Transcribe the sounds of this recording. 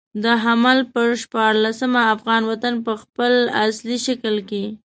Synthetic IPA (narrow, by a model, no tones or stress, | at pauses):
d̪əɦamalpəɾʃpɑɾlasəmaːfɣɑnwat̪anpəxpəlasliʃaklke